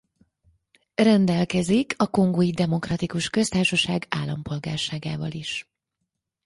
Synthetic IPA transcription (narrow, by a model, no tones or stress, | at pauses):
rɛnd̪ɛlkɛzikʰɒko̞ŋɡojid̪ɛmo̞krɒt̪ikuʃkø̞st̪aːrʃɒʃaːɡa̰ːlːɒmpo̞lɡa̰ːrʃaːɡa̰ːvɒ̰liʃ